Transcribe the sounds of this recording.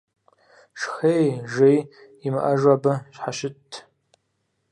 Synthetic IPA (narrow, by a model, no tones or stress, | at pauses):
ʂχejʒej | imaʔaʒabaʃħaʃɪtʰː